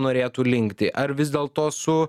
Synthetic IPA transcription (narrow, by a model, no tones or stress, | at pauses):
noːɾʲeːt̪uːlʲɪŋʲkt̪ʲɪʔɐɾʋʲɪzd̪ʲeːlˠt̪oːsʊ